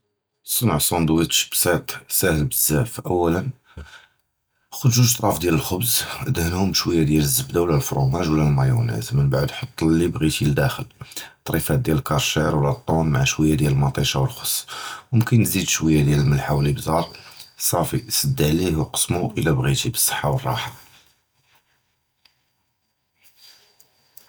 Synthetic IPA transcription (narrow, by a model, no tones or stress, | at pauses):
sˤənʕsˤond̪wit̪ʃbsæt̪sæhəlbəzːæfʔəwːælən | xʊd̪ʒuʒt̪ˤɾˤɑfd̪jæləlxʊbzʔəd̪hənhʊmʃwəjːad̪jæləzːəbd̪awlælfɾumæʒwlælmɑjunæ̰zmənbaʕd̪ħɑt̪ˤːlːibɣit̪ild̪æxəlt̪ˤɾˤifæt̪̚d̪jæləlkɑɾˤʃɛɾwlæt̪ˤːonmaʕaʃwəjːad̪jæləlmɑt̪ˤiʃawəlxo̥sˤːwəmkənːzid̪ʃwəjːad̪jæləlməlħawlibzɑɾˤsˤɑfisˤɑd̪ːəʕlihwqə̥sːmuʔəlæbɣit̪ibə̥sˤːə̥ħːawərˤːɑ̰ħa